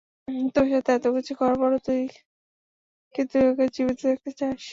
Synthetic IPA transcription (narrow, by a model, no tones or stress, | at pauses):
t̪oʃat̪eɛt̪okit͡ɕʰukɔɾpɔɾot̪ui | kkit̪uɛkad͡ʑibit̪oɛk̚t̪et͡ɕaʃ